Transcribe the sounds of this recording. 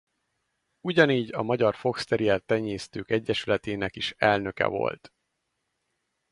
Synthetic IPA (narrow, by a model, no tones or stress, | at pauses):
uɟɒniːɟɒmɒɟɒrfo̞kst̪ɛɾiɛlt̪ɛɲeːst̪øːkɛɟːɛʃylɛt̪eːnɛkiʃɛlnø̞kɛ̰vo̞̰lt̪